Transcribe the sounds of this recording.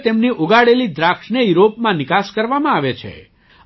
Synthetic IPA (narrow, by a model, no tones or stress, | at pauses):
t̪emniʔoɡaɽelid̪ɾakʂɳəjiɾopmãnɪkaʃkəɾʋamãaʋet͡ʃʰḛ